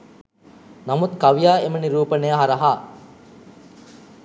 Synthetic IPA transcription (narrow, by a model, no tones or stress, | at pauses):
namut̪kaʋijaːeməniɾuːpənejaɦaɾɐɦaː